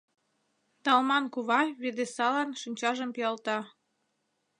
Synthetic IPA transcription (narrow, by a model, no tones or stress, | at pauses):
t̪ɑlmɑnkuβɑβed̪esɑlɑnʃinʲt͡ɕɑʒəmpiɑlt̪ɑ